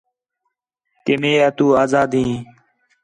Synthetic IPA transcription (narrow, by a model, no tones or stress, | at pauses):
keːmeːaːt̪uːaːzaːd̪ɦĩː